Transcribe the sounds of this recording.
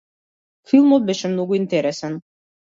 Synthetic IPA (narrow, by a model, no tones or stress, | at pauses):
filˠmɔt̪̚bɛʃɛmnɔɡuint̪ɛɾɛsɛn